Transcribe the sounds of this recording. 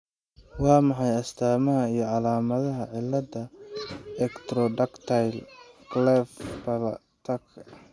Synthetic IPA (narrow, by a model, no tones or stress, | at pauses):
wɑːmɑħɑjɐst̪ʰaːmɐɦɐijɞʕɑlaːmɐðɐɦɐʕɪlːɐd̪ɐ | ɛkt̪ɾɔɖɐkt̪ʰjlɡlɛfpɐl | t̪ʰɐk